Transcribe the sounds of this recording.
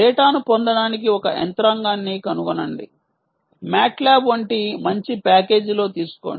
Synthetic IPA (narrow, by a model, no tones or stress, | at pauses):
ɛːʈaːnupɔnd̪ɐɽaːnik̬iɔkɐ̰ʔɛ̰nt̪ɾɐŋɡaːnːiːkɐnuʋɐnɐɳɖḭ | maːʈlaːbʋɐɳʈimɐɲt͡ʃipaːke̞ːd͡ʒlo̞ːt̪iːsu̥ko̰ːɳɖi